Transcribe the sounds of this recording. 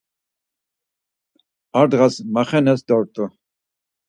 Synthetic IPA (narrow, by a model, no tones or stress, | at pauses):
aɾd̪ʁasmaχɛnɛsd̪ɔɾt̪ʼu